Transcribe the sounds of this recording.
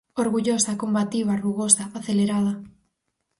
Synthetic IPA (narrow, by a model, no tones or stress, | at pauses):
oɾɣuʎosakombat̪iβ̞aruɣosaːθeleɾaða